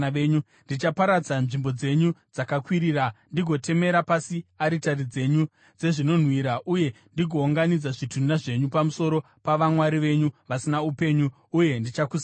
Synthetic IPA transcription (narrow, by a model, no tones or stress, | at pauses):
eɲu | ndit͡ʃapaɾad͡zanʐimbo̞d͡ze̞ɲud͡zakakwiɾiːɾandiɡʱo̞tʰe̞me̞ɾapasiaɾitarid͡ze̞ɲu | d͡ze̞ʐino̞n̤wiɾaʔuje̞ | ndiɡʱo̞ːŋɡanid͡zaʐitʰundaʐe̞ɲupamuso̞ɾo̞ | paʋamwaɾiʋe̞ɲuʋasinaupe̞ɲuː | je̞ndit͡ʃakus